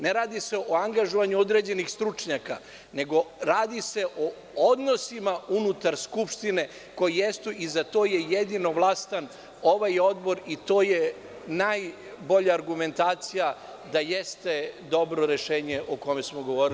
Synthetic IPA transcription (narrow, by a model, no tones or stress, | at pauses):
neɾaːd̪iseʔoaŋɡaʒoʋaɲuo̞d̪ɾe̞ːd͡ʑe̞nixst̪ɾut͡ʃɲaka̰ | ne̞ɡo̞ɾaːd̪ise̞ʔo | od̪no̞simaunut̪aɾskupʃt̪ine̞ | ko̞jijest̪uʔizat̪o̞ːjejed̪inoʋlˠast̪an | o̞ʋajo̞d̪bo̞ɾit̪o̞ːje | naj | bo̞ʎaːɾɡume̞nt̪aːt̪sija | d̪ajest̪e̞d̪o̞bɾo̞ɾe̞ʃeːɲe̞ʔoko̞mesmoɡo̞ʋo̞ːɾi